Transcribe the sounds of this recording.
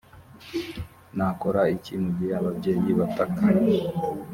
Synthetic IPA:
nakoɾaicimuɟiaβabɟe̞ːjiβataka

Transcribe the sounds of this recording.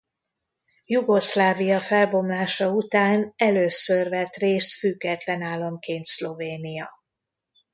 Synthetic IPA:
juɡo̞slaːvijɒfɛlbo̞mlaːʃɒut̪aːnɛløːsørvɛt̪reːst̪fyɡːɛt̪lɛnaːlːɒmkeːnt̪slo̞veːnijɒ

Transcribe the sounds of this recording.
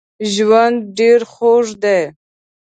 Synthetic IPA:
ʒwand̪ɖeɾxoʐd̪e

